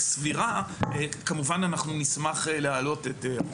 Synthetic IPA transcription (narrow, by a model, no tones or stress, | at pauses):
sviʁaekamuvananaχnunismaχelehalo̞tete